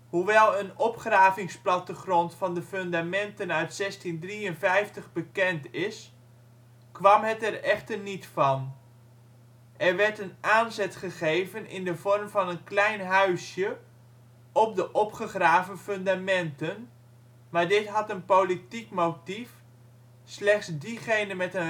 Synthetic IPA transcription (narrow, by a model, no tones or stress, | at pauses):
huʋɛlˠənɔpχraːvɪŋsplɑtəχrɔntfɑndəfɵndamɛntənœɥtsɛstindriənfɛjftəχbəkɛntɪs | kʋɑmɦətɛrɛχtərnitfɑn | ʔɛrʋɛɹtənʔaːnzɛtχəχejvənɪ̰ndəvɔrmvɑnənklɛjnɦœɥsjə | ɔp̚dəʔɔpχəχraːvənfɵndamɛntən | maːɹdɪtɦɑtənpolitikmowtif | slɛχtsdiχejnənmɛtə